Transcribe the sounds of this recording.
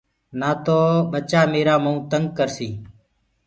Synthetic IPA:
naːt̪oːɓət͡ʃaːmeːɾaːməũːt̪əŋɡ̚kəɾsiː

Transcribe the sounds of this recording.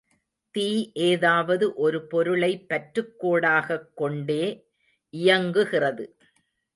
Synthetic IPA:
t̪iːʔeːðaːʋɐðɯʔɔɾɯpɔɾɯɭɐɪpːɐʈɾɯkːoːɽaːɣɐkːɔɳɖeː | ʔɪjɐŋɡɯɣɪrɐðɯ

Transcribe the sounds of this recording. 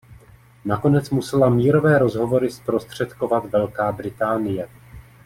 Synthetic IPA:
nako̞nɛt͡smusɛlamiːɾo̞vɛːɾo̞zɦo̞vo̞ɾɪspɾo̞st̪r̝̥ɛt̪ko̞vat̪vɛlkaːbɾɪt̪aːnɪjɛ

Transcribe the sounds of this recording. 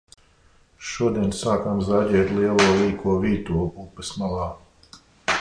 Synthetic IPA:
ʃuɔd̪iɛnsaːkamzaɟʲɛːt̪liɛlˠuɔviːkuɔviːt̪uːɔɡupːɛsmalˠɑː

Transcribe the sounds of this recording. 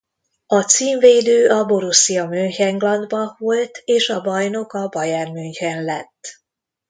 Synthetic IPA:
ɒt̪siːɱveːd̪øːʔɒboɾusːijɒmøjhɛŋɡlɒnd̪bɒvolt̪eːʃɒbɒjno̞kɒbɒjaːrmyɲkɛnlɛt̪ː

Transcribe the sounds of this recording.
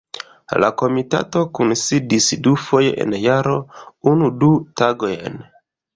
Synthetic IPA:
la̰ko̞mita̰to̞kunsidisdufo̞jḛʔḛnjaɾo̞unudutaɡo̞jen

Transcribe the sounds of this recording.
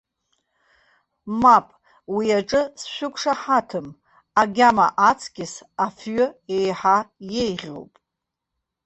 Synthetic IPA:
mapʼ | wiaʈ͡ʂʼɨsʃʷᶣʊkʷʰʂaħatʰɨm | aɡʲama̰ʔat͡sʰkʲɪsafɥʏejħajejʁʲo̰wpʼ

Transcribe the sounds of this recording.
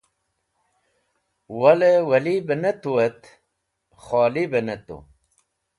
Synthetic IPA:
wɐlewɐlibenet̪uwet̪ | χaːlibenet̪ṵ

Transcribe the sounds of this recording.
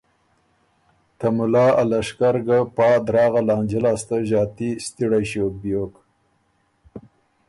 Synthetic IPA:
t̪amʊlɑːʔalaʂkaɾɡapɑːd̪ɾɑːɣalɑːnd͡ʒɪlɑːst̪aʒɑːt̪ist̪iɽajʃoːk̚bijok

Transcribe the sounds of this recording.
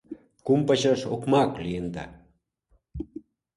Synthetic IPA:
kumpaɕɑʃokmɑklijend̪ɑ̰

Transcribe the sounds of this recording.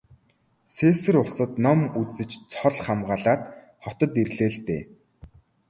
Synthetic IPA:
seːsɘ̆rʊɮsə̆t̪nɔmut͡sɘ̆t͡ɕt͡sʰɔɮχamɢaːɮaːt̪ | χɔt̪ɞ̆t̪irɮeːɮt̪ḛː

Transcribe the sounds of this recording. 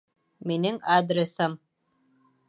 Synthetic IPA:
menɪŋad̪ɾesam

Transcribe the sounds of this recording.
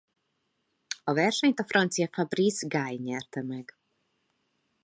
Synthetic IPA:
ɒʋɛrʃɛɲt̪ɔfɾʔɔnt̪sijafabɾizɡajɲɛrt̪ɛmɛɡ

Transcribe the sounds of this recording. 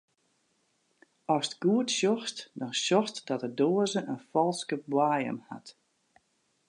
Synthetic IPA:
ɔsətɡ̥uətʃjɔxstdɔnʃɔxstdɔtədoːəzəʔənfɔlˠskəbwaːjə̰mha̰t

